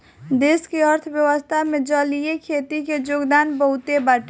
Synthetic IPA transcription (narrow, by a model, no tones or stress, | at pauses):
d̪eːskeəɾt̪ʰəʋjəwəst̪ʰamẽd͡ʒəlijekʰeːt̪iked͡ʒoːɡd̪aːnbəɦʊt̪ebaːʈ